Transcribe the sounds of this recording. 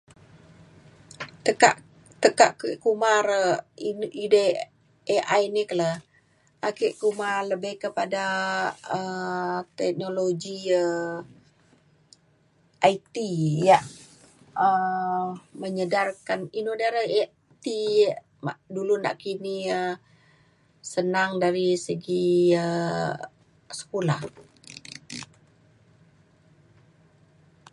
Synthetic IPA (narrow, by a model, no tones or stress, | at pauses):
t̪əka̰ʔ | t̪əkaʔkʔkumaɾəiʔide | eʔajniklə | ʔakeʔkumaləbəhkəpada | ət̪ɛk̚noloɡiə | ʔait̪ijaʔ | ə | məɲədarkaninodaɾa | t̪i | aʔduluna̰ʔkiniə | sənaŋdaɾisəɡiə | sə̥kola̰h